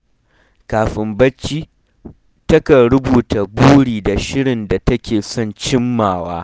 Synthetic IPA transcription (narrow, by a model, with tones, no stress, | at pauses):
kaː˨ɸɪ˨mbɐ˦t͡ʃːiː˦ | tɐ˦ka˨ɾʊ˦buː˨ta˨buː˦ɽiː˨da˨ʃɪ˦ɽɪ˨nda˨tɐ˦kʲeː˨sɔ˦˨nt͡ʃɪ˦mːaː˨waː˦